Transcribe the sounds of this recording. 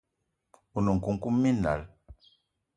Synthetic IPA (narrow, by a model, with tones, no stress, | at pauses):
u˨nu˨ŋ̩˨ku˦ŋ̩˦ku˦mːi˦na̰˨l